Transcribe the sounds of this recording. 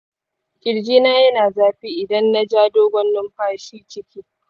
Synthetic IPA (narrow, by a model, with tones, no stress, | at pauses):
kʲʼɪ˨ɽd͡ʒiː˦naː˦jɐ˦naː˨zaː˦ɸiː˦ʔɪ˨dɐ˦nːa˦d͡ʒaː˦doː˦ɡʷɐ˦nːʊ˦mɸaː˦ʃiː˦t͡ʃɪ˦kʲiː˦